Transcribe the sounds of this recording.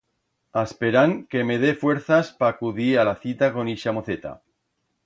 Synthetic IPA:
aspeɾaŋke̞me̞ðe̞fwe̞ɾθaspaːkuðialaθit̪ako̞niʃamoθet̪a̰

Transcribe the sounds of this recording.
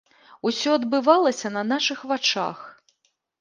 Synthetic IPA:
usʲɔɐd̪bɨvalˠɐsʲɐnɐnaʂɨxvat͡ʂa̰x

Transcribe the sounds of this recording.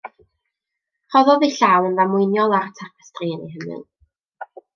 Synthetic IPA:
hɔðɔðiɬaːwˠənvamʊjnjɔlˠartʰapʰə̥striənḛjɦəmɨ̰lˠ

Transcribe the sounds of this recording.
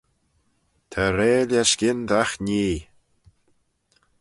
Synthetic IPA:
t̪ʰaɾeːlʲjaskɪnd̪axniː

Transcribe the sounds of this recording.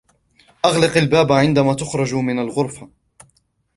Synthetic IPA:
ʔɑɣlɪqalbaːbʕɪnd̪amaːt̪ʊxɾˤɑd͡ʒmɪnalɣʊɾˤfa

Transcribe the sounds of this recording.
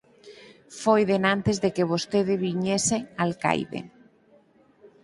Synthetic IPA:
fojðenãnt̪ezðekeβ̞ost̪eðɪβiɲesealka̰jðḛ

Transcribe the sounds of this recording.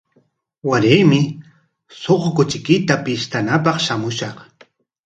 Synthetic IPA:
waɾɪjmɪ | soχkʊt͡ʃɪkɪt̪apɪʃt̪anapɑχʃamʊʃɑχ

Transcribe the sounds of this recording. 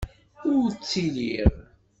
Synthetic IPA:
ʊɾt͡sːiliɾ

